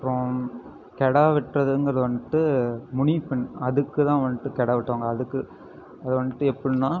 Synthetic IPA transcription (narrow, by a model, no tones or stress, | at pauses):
ɾõ | kɛɽaːʋɪʈrɐðɯŋɡɐɾɐðɯʋɐnʈ̪ːɯmʊɳipɐnɐðɯkːɯt̪ãːʋɐnːʈːɯkɛɽaːʋɪʈːoːŋɡɐːðɯkːɯ | ɐðɯʋɐnːʈ̪ːɯɛpːɐɽɯnːãː